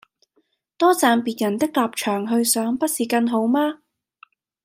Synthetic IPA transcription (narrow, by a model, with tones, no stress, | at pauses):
t̪ɔː˥t͡saː˨˧npiː˨t̚jɐ˨˩nt̪ɪ˥k̚laː˨p̚t͡ʃʰœː˨˩ŋɦɵ˧ɥsœː˨˥ŋpɐ˥t̚siː˨˩kɐ˧nɦo˨˥wmaː˥